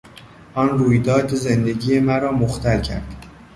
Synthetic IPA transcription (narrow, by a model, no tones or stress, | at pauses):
ʔɒːnruːjd̪ɒːd̪zend̪e̞ɟijemæɾɒːmoxt̪ʰælcʰæ̰ɾd̪̥